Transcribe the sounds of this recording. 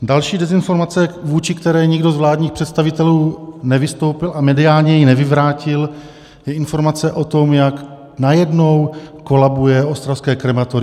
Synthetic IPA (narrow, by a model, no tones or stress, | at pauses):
dalʃiːdɛzɪnfo̞ɾmat͡sɛvuːt͡ʃɪkt̪ɛɾɛːɲɪɡdozvlaːdɲiːxpr̥ɛt̪st̪avɪt̪ɛluːnɛvɪst̪o̞wpɪlʔamɛdɪaːlɲɛjinɛvɪvɾaːcɪl | jɛɪnfo̞ɾmat͡sɛʔo̞t̪o̞mjak | najɛdno̞wko̞labujɛost̪ɾafskɛːkɾɛmat̪uɾɪ